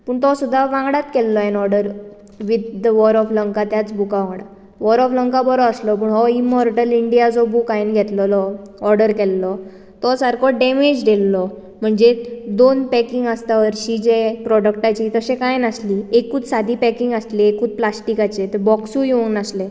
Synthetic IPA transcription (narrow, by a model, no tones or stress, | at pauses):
pəːɳt̪ɔsud̪ʱːaʋãŋɡɽat̪kɛlːɔenɔɾɖəɾ | ʋid̪ːəʋɔɾɔfləŋkat̪jat͡sbukaʋãŋɡɽa | ʋɔɾɔfləŋkabɔɾɔəslɔpuːɳɦɔimɔɾʈəliɳɖijad͡zɔbukajnɡʱɛt̪lɔlɔɔɾɖəɾkɛlːɔ | t̪ɔsəɾkʰɔɖemed͡ʑdelːɔ | m̤əɳd͡zed̪onpɛkiŋɡəst̪aʋəɾɕid͡ʑepɾɔɽək̚ʈat͡ɕit̪əɕekajnəsliːekuːt͡s̪sad̪ʱipɛkiŋɡəsleekuːt͡s̪̚plasʈikat͡ɕet̪ebɔksujounəsle